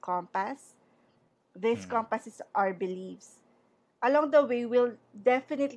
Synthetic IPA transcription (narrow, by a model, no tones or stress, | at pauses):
kʰɔ̃mpas | ðɪskɔ̃mpɐsɛsʔaɹbɪlifs | ʔɐlɔ̃ŋd̪ɐwejwɪld̪ɛfɪnɪt̪l